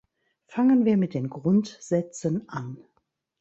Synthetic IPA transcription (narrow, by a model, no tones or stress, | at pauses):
faŋənviːɐmɪt̚d̥eːnɡʁʊntz̥ɛt͡sənʔan